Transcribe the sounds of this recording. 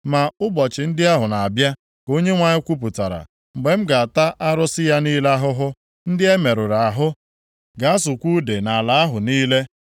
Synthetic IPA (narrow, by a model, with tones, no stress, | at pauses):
ma˨ʊ˦bɔ˨t͡ʃɪ˨n̩˦dɪ˦a˦ɦʊ˨na˨a˨bja˦ | ko˦ɲe˦ŋʷa˨ɲɪ˦kʷu˦p̬ʊ˨ta˨ɾa̰˨ | ŋ͡m̩˨ɡ͡be˨m̩˦ɡa˨a˨ta˦ʔa˦ɾʊ˦sɪ˦ja˦niː˦la˦ɦʊ˦ɦʊ˦ | n̩˦dɪ˦e˦me˨ɾʊ˨ɾa˨a˨ɦʊ˦ | ɡa˨a˦sʊ˨kʷu˦de˨na˨la˨a˦ɦʊ˨niː˦le˦